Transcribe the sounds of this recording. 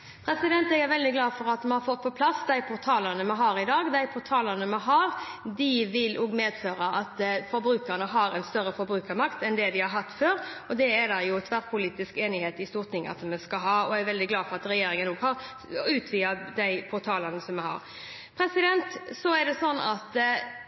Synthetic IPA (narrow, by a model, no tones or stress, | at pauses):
pʰɾɛsɪd̪ɛnt̪ɛɡæɾʋɛld̪ɪɡlɑːfɔɾɑt̪mɛhɑɾfɔt̪̚ːpʰɔpʰlɑsd̪æɪpʰʊɾt̪ʰɑːləɾnəmɛɦɑːɾɪd̪ɑːɡd̪æɪpʰʊɾt̪ʰɑːlənəmɛɦɑːɾd̪ɪʋɪloːɡmeːd̪føːɾəʔɑt̪fɔɾbɾʉːkəɾnəɦɑɾɛnst̪œɾːəfɔɾbɾʉːkəɾmɑkt̪ɛnd̪ɛd̪ɪhɑɾɦɑt̪ːføːɾɔd̪ɛæɾd̪ɑjʊt̪ʰʋæɾpʰʊliːt̪ɪskeːnɪheːt̪ɪst̪uːʁt̪ʰɪŋːɑ̰t̪mɛskɑɦɑːɔæɾʋɛld̪ɪɡlɑːfɔʁɑt̪ɾɛjeːɾɪŋənoːɡhɑɾ | ʉːt̪ʰʋiːɑd̪æɪpʰʊt̪ʰɑːləɾnəsɔmɛhɑ̰ːɾ | pʰɾɛsɪd̪ɛnt̪sɔæɾd̪ɛsɔnːɑt̪